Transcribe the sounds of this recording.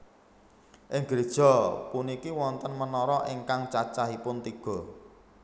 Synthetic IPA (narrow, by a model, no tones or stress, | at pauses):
ʔɪŋɡ̥ɾed̥ʒ̥ɔ̤punikiwɔnt̪ənmənɔɾɔʔeŋkaŋt͡ʃat͡ʃaɦipʊnt̪iɡ̥ɔ̤